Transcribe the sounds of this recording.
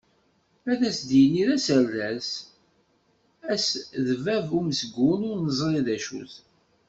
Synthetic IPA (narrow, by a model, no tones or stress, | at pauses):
æðæsd̪ijəniðæsəɾːæs | æsðəvævuməsəɡʷːʊnʊɾnəzˤɾˤiðæʃṵθ